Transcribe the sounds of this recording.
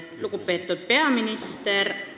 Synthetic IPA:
lukupˑeːt̪ːˑut̪̚pe̞ɑminist̪er

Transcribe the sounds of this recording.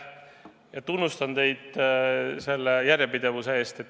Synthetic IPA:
jɑt̪unːust̪ɑnt̪e̞jd̪̥ | se̞lːejæɾʲjepid̪e̞vusee̞ːst̪et̪ː

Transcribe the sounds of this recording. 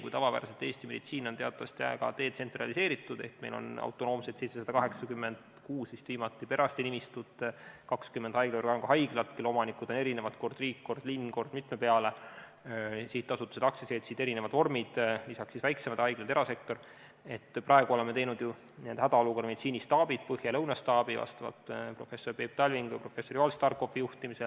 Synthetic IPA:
kṵjt̪ɑvɑvæ̰ːɾset̪ːˑe̞ːst̪ime̞d̥̪it̪siːnot̪eɑt̪ːˑɑvɑst̪jæ̰eɡɑ̰t̪e̞ːt̪se̞nt̪rɑ̰lise̞ːɾit̪ːˑud̪̥e̞̰ht̪me̞jlo̞̰nɑ̰wt̪ːˑo̞no̞ːmset̪sejt̪sesɑd̪ɑkɑɦe̞ksɑkymːe̞nd̪̥ | kuːsmist̪viːmɑt̪ːˑipe̞ɾɑst̪inimist̪ud̪̥kɑkskymːend̪̥ɑjɡ̥leo̞rɡɑnkɑɦɑjɡ̥lɑt̪kelːo̞mɑnikˑud̪̥o̞ne̞ɾine̞vɑt̪ko̞rd̪̥riːkːko̞rd̪linːko̞rd̥̪mit̪mepe̞ɑle | siːt̪ːɑsut̪ːˑuse̞d̪ɑkseseːt̪sid̪e̞ɾine̞vɑd̪̥vo̞rmid̪̥lisɑksːisvæjksemɑd̪hɑjɡ̥lɑt̪e̞ɾɑse̞k̚t̪o̞r | e̞t̪ːprʔɑe̞ɡ̥uo̞le̞mːee̞jnud̪ju | nend̪̥hæd̪ɑolukorɾme̞nt̪siːnist̪ɑːb̥id̪̥̚pɤhjɑlɤwnɑst̪ɑːb̥ivɑ̰st̪ɑvɑ̰lt̪pro̞fe̞so̞rpeːp̚t̪ɑlʲviŋɡ̥jɑ̰pro̞fe̞sːo̞rjoɑlst̪ɑrko̞fijuht̪imise̞l

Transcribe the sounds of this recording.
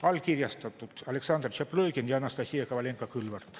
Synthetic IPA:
ɑlʲkirʲjɑst̪ɑt̪ːut̪ɑleksɑnd̪rt͡ʃɑpløikenjɑnɑst̪ɑsʲiekɑʋɑlʲeŋkːɑkylʋɑrt̪

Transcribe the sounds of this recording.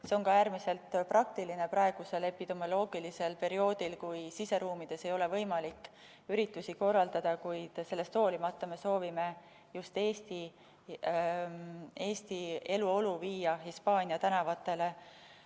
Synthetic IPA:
se̞o̞nkɑæːɾmise̞lt̪ːprɑk̚t̪iline̞prɑe̞ɡ̥use̞le̞pːid̪̥o̞mo̞lo̞ːɡ̥ilise̞lpe̞ɾio̞ːd̪̥ilkujsise̞ɾuːmid̪̥e̞se̞jo̞le̞vɤ̞jmɑlikː | yɾit̪ːˑusiko̞rːɑld̪ɑd̪̥ɑkujd̪̥se̞lːest̪o̞ːlimɑt̪ːˑɑme̞so̞ːvime̞ | just̪e̞ːst̪i | e̞ːst̪ie̞luo̞luviːjɑɦispɑːnʲiɑt̪ænɑvɑt̪ːˑe̞le̞

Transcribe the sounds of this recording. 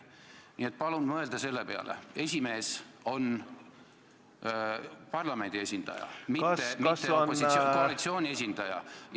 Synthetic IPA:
nie̞t̪̚pɑlunmɤe̞ld̪̥ɑse̞lːe̞pe̞ɑ̰lʔḛe̞sʲime̞ːso̞n | pɑrlɑme̞nd̪̥ie̞sʲind̪̥ɑ̰jɑ̰miːemit̪ːeopːosikoɑlit̪sio̞ːnʲies̬ʲind̪̥ɑjɑ̰

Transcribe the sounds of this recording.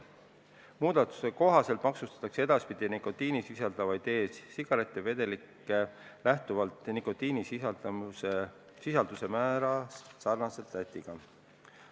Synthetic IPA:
muːd̪̥ɑt̪ːu̥se̞ko̞ɦɑse̞lt̪mɑksust̪ɑ̥t̪ːˑɑksee̞d̪̥ɑspid̪̥inikot̪iːnisisɑld̪̥ɑvɑjd̪e̞ːssiɡ̥ɑlet̪ːˑe̞ve̞d̪̥e̞likːˑe̞ | læht̪uvɑlt̪ˑnikːo̞t̪ːiːnisi | sisɑld̪̥use̞mæːɾɑssɑrnɑse̞lt̪ːæt̪ʲːiɡ̥ɑ

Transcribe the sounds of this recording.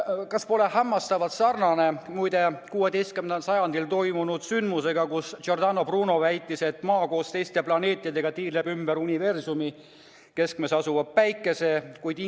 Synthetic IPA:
kɑspo̞le̞hæmːɑst̪ɑvɑt̪sɑrnɑne̞mujd̪e̞kuːe̞d̪e̞jst̪̚kymenensɑjɑnd̪ilt̪o̞jmunud̪̥synd̪̥muse̞ɡɑkusord̪ɑno̞pruːno̞væjt̪ːˑise̞t̪ːˑmɑːko̞ːst̪ejst̪e̞plɑne̞ːt̪ʲˑjɑd̪e̞ɡ̥ɑt̪iːlebymb̥eɾunʲive̞rsumi | ke̞skme̞sɑsuvɑb̚pæjkːˑe̞se̞kujd̪i

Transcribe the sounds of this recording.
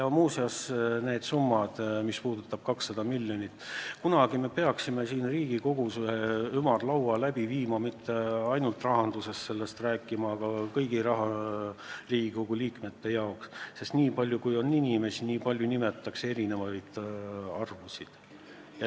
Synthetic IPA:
jɑmuːseɑsne̞ːd̪̥sumːɑd̪̥mispuːd̪̥ut̪ːˑɑb̥̚kɑksːɑd̪̥ɑmilʲjo̞nʲit̪ːˑkunɑɡ̥ime̞pe̞ɑksime̞siːnriːɡ̥iko̞ɡ̥useymɑrlɑwɑlæbiviːmɑmit̪ːe̞ɑjnult̪ˑrɑɦɑnd̪̥use̞st̪se̞lːe̞st̪ræːkːˑimɑːɡ̥ɑkɤjɡ̥iɾɑɦɑ | riːɡ̥iko̞ɡ̥uliːkme̞t̪ːe̞jɑoksːe̞st̪niːpɑlʲjukujo̞nːinʲime̞siniːpɑlʲjunime̞t̪ːˑɑkse̞ɾine̞vɑjd̪̥ɑrvusid̪̥ | jɑ

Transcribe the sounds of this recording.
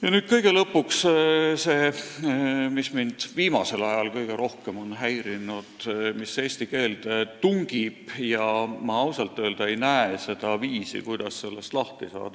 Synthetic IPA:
jɑnyːd̪̥̚kɤjɡ̥e̞lɤpːˑuksse̞ː | mismind̪̥viːmɑse̞lɑjɑlkɤjɡ̥e̞ɾo̞hke̞mo̞nɦæjɾinud̪mise̞ːsʲt̪ike̞ːld̪̥et̪uŋɡ̥ib̥jɑmɑɑwsɑlt̪ːˑøːld̪̥ɑe̞jnæese̞d̪̥ɑviːsḭkujd̪̥ɑsːe̞lːest̪lɑht̪isɑ̰ːd̪̥ɑ

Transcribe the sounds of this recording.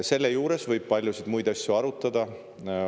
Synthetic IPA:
se̞lːejuːɾe̞svɤjb̥̚pɑlʲjusid̪mujd̪ɑsʲjuɑɾut̪ːˑɑd̪̥ɑ

